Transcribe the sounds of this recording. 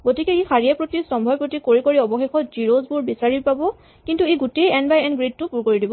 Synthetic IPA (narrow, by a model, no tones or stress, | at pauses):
ɡotikɛixaɹijɛpɹotisɔmbʱɔjpɹotikoɹikoɹiɔbɔxexɔtziɹozbuɹbisaɹipabɔ | kintueɡutejɛnbajɛnɡɹid̚tʊpuɹkoɹidibɔ